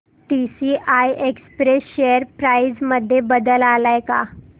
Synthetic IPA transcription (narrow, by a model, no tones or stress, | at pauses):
ʈisiːʔajʔekspɾesɕejəɾpɾajd͡zməd̪ʱːjebəd̪əlalajka̰